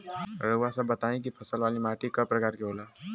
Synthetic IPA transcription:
ɾuasəbːɐt̪aːẽk̬ipʰɐsəlʋaːlimaːʈikapɾɐkaːɾkiɦoːlaː

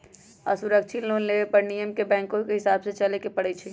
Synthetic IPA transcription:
ɐ̰sʊɾək̚t͡ʃʰɪt̪loːnleːʋepɐɾnijəmkebɛ̃ːŋkõkeɦɪsaːbset͡ʃɐlekepɐɽ̤et͡ʃʰi

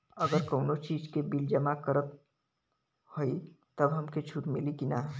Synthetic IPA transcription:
əɡəɾkəʊnot͡ʃid͡ʒkebild͡ʒəmakəɾət̪ | hoit̪əbɦəmket͡ʃʰuʈmilikinaɦ

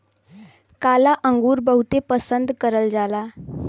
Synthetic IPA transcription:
kalaʔəŋɡuːɾbəɦut̪epəsənd̪kəɾəld͡zala

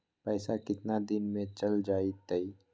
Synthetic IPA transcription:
pɛːsakɪt̪nad̪ɪnmẽt͡ʃɐld͡ʒaːit̪əi

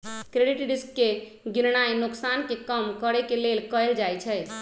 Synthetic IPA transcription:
kɾeɖiʈɖiskːe | ɡiɾnajnuksankekəmkəɾɛkelelkəjld͡ʒajt͡ʃʰɛj

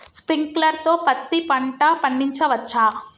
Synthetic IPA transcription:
spɾiŋklɐɾt̪oːpɐt̪ːipɐɳʈɐpɐɳːiɲt͡ʃɐʋɐt͡ʃːaː

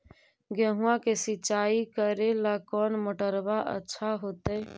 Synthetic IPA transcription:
ɡəɦũãkesit͡ʃaikəɾelakɔːnməʈəɾbaʔə̰tːʃʰaɦot̪ə

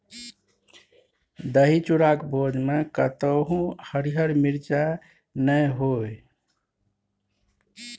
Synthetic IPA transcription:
d̪əɦit͡ʃuɾakbod͡ʒmekət̪əɦũhəɾiɦəɾmiɾt͡ʃa | nəjɦoj

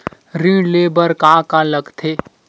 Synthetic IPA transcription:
ɾĩleːbəɾkãːkãləɡt̪ʰeː

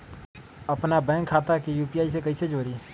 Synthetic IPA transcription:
əpnabɛ̃ːŋkʰːaːt̪akijuːpiːaːis̬ekɐised͡ʒoːɾiː

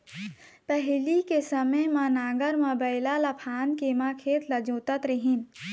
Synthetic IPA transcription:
pɛɦlikesəməjmãnaːɡəɾmabaɪlalɐpʰaːnkeːmãkʰeːt̪lɐd͡ʒoːt̪ət̪ɾɪɦin

